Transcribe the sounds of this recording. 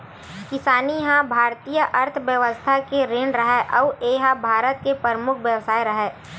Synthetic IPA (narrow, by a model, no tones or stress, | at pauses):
kɪsaːnijɦãbʱaːɾt̪ijəʔɐɾt̪ʰʋjəʋəst̪ʰakeɾeːɳɖɾɐɦɛʔɔːʋeːɦabʱaːɾət̪̚kepəɾəmʊkʰʋjəʋsaːiɾɐɦɛː